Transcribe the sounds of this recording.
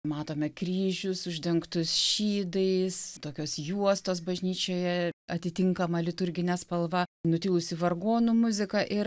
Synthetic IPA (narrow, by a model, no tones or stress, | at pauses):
mɑːt̪oːmʲɛkrʲiːʒʲʊsʊʒʲd̪ʲɛŋkt̪ʊsʃʲiːd̪ɐɪst̪oːkʲoːsjuɔst̪oːsbɐʒʲnʲiːt͡ʃʲoːjɛɐt̪ʲɪt̪ʲɪŋkɐmɐlʲɪt̪ʊrʲɡʲɪnʲɛspɐlˠʋɐnʊt̪ʲɪːlˠʊsʲɪʋɐrɡoːnuːmʊzʲɪkɐʔɪɾ